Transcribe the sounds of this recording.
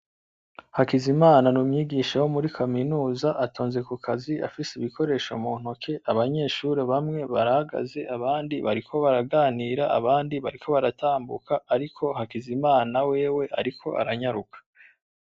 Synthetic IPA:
hakizimaːnanuːmɲiːɡiʃawomuɾikʰaminuːzaʔatoːnze̞kukʰazia̰fisiβiko̞ɾe̞ːʃomuːn̥okʰe̞ʔaβaɲe̞ːʃuɾeβamŋe̞βaɾahaɡa̰ze̞ʔaβaːndiβaɾikʰo̞βaɾaɡaːniɾaa̰βaːndiβaɾiko̞βaɾataːmbṵkʰaːɾikʰo̞hakizimaːnawe̞ːwe̞ʔa̰ɾikʰo̞ʔa̰ɾaɲaɾukʰḁ

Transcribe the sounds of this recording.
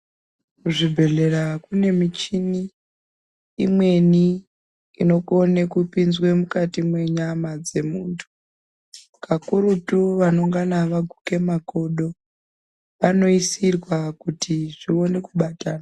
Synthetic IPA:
kuʐibʱe̞ɮe̞rakune̞mit͡ʃini | mwe̞ni | ino̞kone̞kupinzwe̞mukatimwe̞ɲamad͡ze̞muːntʰu̥ | kakuɾutuʋano̞ŋɡanaʋaɡʱuke̞mako̞ɗo̞ | ʋano̞isirwakutiʐio̞ne̞kuɓataːna

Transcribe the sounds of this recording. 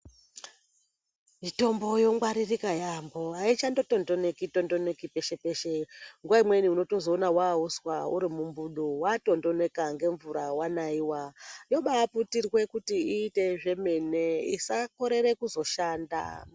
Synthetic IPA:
mito̞mbo̞jo̞ŋɡwaɾirikajamboait͡ʃando̞to̞ndo̞ne̞kitondo̞ne̞kipe̞ʃe̞pe̞ʃeŋɡuwaimwe̞niuno̞to̞zo̞ːnawauswaṵɾimumbuɗowato̞ndo̞ne̞kaŋɡe̞ɱvuɾawanaiwajo̞ɓaputirwe̞kutiiːte̞ʐe̞me̞ne̞ḭsako̞ɾe̞ɾe̞kuzo̞ʃaːnda̰

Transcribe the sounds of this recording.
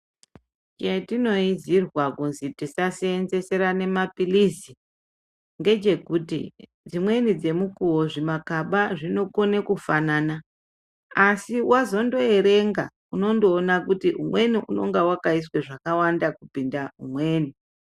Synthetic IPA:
t͡ʃe̞tino̞izirwakunzitisaseːnze̞se̞ɾane̞mapilizi | ŋɡe̞d͡ʒe̞kutḭ | d͡zimwe̞nid͡ze̞mukuwo̞ʐimakaɓaʐino̞ko̞nekufananaː | siwazo̞ndo̞e̞ɾe̞ŋɡa̰ | uno̞ndoːnakutiɦumwe̞niʔṵno̞̰ŋɡewakaisweʐakawandakupindaɦṵmwe̞ːni

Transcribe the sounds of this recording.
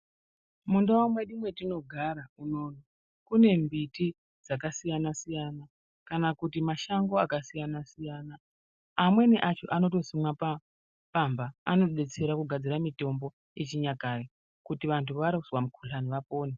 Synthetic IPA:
mundawamweɗimwe̞tino̞ɡʱaɾauno̞ːno | kune̞mbiti | d͡zakasijanasijana | kanakutimaʃaŋɡo̞akasijanasijaːnaː | mwe̞neʔat͡ʃo̞ʔano̞to̞simwapa | pamba̰ːno̞ɓe̞t͡se̞ɾakuɡʱad͡ziɾamito̞mbo̞ | et͡ʃiɲakari | kutiʋantʰuʋaɾauswamukʰuɬaniʋapo̞ːne

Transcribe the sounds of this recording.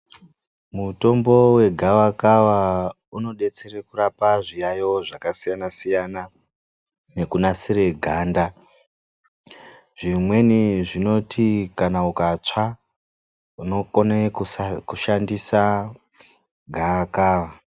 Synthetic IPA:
muto̞mbo̞we̞ɡʱawakaʋa | uno̞ɗe̞t͡se̞rekurapaʐijajo̞ʐakasijanasijana | ne̞kunasiɾe̞ɡʱaːnda | ʐ̥imwe̞niʐino̞tʰikanaukat͡ʂa | uno̞konekuʃandisa | ɡʱawakaːʋa

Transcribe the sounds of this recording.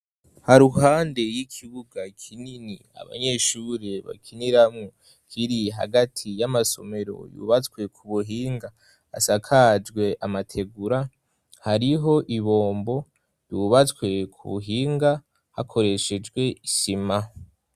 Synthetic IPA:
haɾuɦaːnde̞jikʰiβuɡakʰinini | a̰βa̰ɲe̞ʃuɾeβa̰kʰiniɾamŋo | kʰiɾiɦa̰ɡatʰijamaso̞̰me̞ɾo̞̰jṵβat͡skwe̞kʰuβuɦiːŋɡa̰ː | sakʰad͡ʒɡwe̞ʔamatʰe̞ɡuɾa | haɾiɦo̞ʔiβo̞ːmbo̞ | juβat͡skwe̞kʰṵβṵɦiːŋɡa | ha̰kʰo̞ɾe̞ʃe̞d͡ʒɡwe̞isima

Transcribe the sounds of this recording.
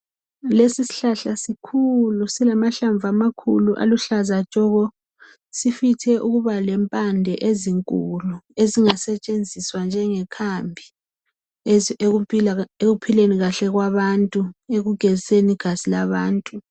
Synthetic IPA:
lesisi̥ɬaɬasikʰulusilamaɬaɱbvʱamakʰuluʔa̰luɬazat͡ʃʼɔɣɔ | sifitʰɛʔuɣuβalɛmpʼandʱɛʔeziŋkʼulueziŋasɛt͡ʃʼend͡zʱiswand͡ʒʱɛŋɛkʰambʱi | eɣupʰileniɣaɬɛɣwaβantʼueɣuɡ̥ʱɛziseniɡ̥ʱazilaβaːntʼu

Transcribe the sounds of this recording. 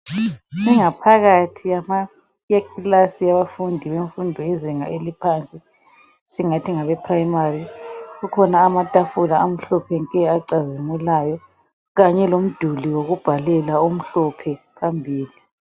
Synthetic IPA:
iŋapʰaɣatʰijama | ɣakilasiaβafundʱiβeɱfundʱɔiziŋa̰ʔelipʰant͡sʼi | siŋatʰiŋaβɛpʰrajimariɣukʰɔnaːmatʼafulaːm̩ɬɔpʰɛŋkʼɛaǀazimulajɔ | ɣaɲɛlom̩d̥ʱuliwoɣub̥ʱalɛlaum̩ɬɔpʰɛpʰambʱiːli

